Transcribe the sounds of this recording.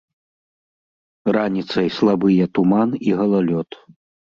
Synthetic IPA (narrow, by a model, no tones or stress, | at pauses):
ranʲit̪sɐjslˠabɨjɛt̪umaniɣɐlˠalʲɔt̪